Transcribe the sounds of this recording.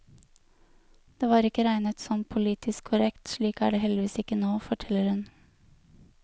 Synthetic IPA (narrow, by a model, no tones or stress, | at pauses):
d̪̥eːʋɑːɾɪkəɾæɪnət̪sɔmpʰʊliːt̪ʰɪskkʰʊɾɛkt̪ʃɭiːkæ̰ːɖeːhɛlɪʋiːsɪkənoːfɔʈʰɛlːəɾhʉn